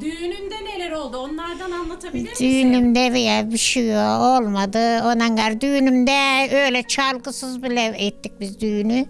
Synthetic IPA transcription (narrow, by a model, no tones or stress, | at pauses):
d̪ynymd̪ɛnelʲɛɾo̞lˠd̪uonlˠaɾd̪ananlˠat̪ʰabid̪yjnymd̪ɛvejɛbiʃijoolˠmad̪ɯond̪aŋɡaɾd̪yːnymd̪ɛøjlʲɛt͡ʃʰalˠɡɯsɯzbilʲɛɛt̪ːic̚bizd̪yjny